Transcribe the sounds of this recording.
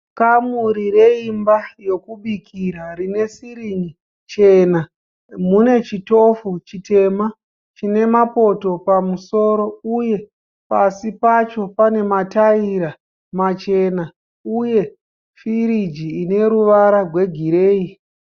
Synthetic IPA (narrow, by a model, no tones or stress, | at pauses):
kamuɾiɾe̞imbajo̞kuɓikʰiɾarine̞siɾiɲi | t͡ʃe̞na | mune̞t͡ʃito̞fut͡ʃite̞ma | t͡ʃine̞mapo̞to̞pamuso̞ːɾo̞uje̞ | pasipat͡ʃo̞pane̞mataiɾa | mat͡ʃe̞na | uje̞ | fiɾid͡ʒiːne̞ɾuʋaɾaɡwe̞ɡʱiɾe̞ːi